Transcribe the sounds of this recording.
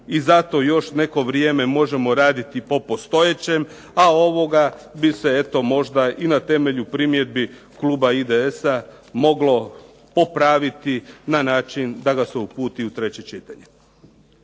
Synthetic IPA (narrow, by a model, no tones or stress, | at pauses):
izat̪o̞jo̞ʃne̞ko̞ʋɾjeːme̞mo̞ʒe̞mo̞ɾaːd̪it̪ipo̞po̞st̪o̞jet͡ɕe̞m | ao̞ʋo̞ɡabise̞e̞t̪o̞mo̞ʒd̪aʔinat̪e̞me̞ʎupɾimje̞d̪̚bi | kluːbaid̪eesa | mo̞ɡlo̞ | po̞pɾaːʋit̪inanaːt͡ʃind̪aɡaseupuːt̪iut̪ɾe̞t͡ɕe̞t͡ʃit̪aɲe